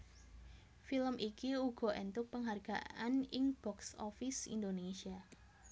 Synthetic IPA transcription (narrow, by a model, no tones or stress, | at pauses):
filəmʔikiuɡ̥ɔ̤ʔɛnt̪ʊk̚pəŋɦarɡ̥aʔanɪŋb̥ɔksɔfɪsḭnd̪onesia